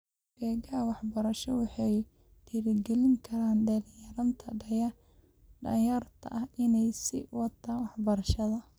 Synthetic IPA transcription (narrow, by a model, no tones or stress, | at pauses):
bɛːɡɐwɑħbɐɾɐʃɔwɑħɑj | t̪ʰɪɾɪɡɛlɪŋkʰɐɾaːnɖɐljɐɾɐnt̪ʰɐɖɐjɐ | ɖɐ̰jɐrt̪ʰɐ̰ʔɐhɪnɛjsɪ̰wɑt̪ʰaːnwɑħbɐɾɐʃɐðɐ